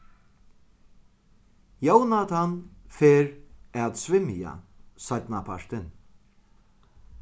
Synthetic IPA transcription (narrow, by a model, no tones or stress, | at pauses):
jownat̪ʰanfeːɾad̪svɪmɪja̰sat̪napʰaɹ̥t̪ɪn